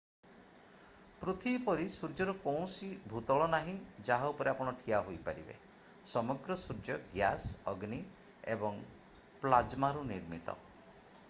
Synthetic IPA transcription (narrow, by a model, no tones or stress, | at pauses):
pɾot̪ʰibpɔɾisuɾd͡ʒɔɾukɔw̃sibʱut̪ɔɭɔnaɦĩd͡ʒaɦaupɔɾeapɔɽ̃ɔʈʰiaɦojpaɾibḛ | sɔmɔɡɾɔsuɾd͡ʒɔɡjasɔɡni | ḛbɔŋ | plad͡ʒmaɾuniɾmit̪ɔ̰